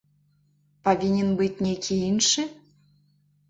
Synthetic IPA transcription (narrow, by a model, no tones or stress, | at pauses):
povʲinʲenbɨtʲnʲekʰʲiinʃe